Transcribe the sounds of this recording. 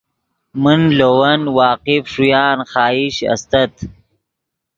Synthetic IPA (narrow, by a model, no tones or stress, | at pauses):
mənlowɐnwɑːqɪfʂujɑːnxɑːiɕɐ̰st̪ɐt̪